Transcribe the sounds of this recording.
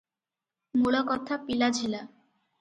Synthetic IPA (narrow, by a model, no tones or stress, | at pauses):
muɭokɔt̪ʰapilad͡ʑʱila